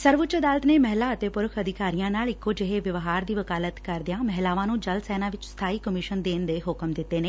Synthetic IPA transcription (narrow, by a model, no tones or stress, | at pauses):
səɾʋʊtːt͡ʃəd̪aːlət̪neːmɛɦlaːət̪eːpʊɾəkʰəd̪ʱɪkaːɾijãːnaːlɪkːoːd͡ʒeɦeːʋɪʋɦaːɾd̪iːʋəkaːlət̪kəɾd̪ɪjãːmɛɦlaːʋãːnũːd͡ʒəlsɛːnãːʋɪt͡ʃst̪ʰaːiːkəmɪʃənd̪eːnd̪eːɦʊkəmd̪ɪt̪ːeːneː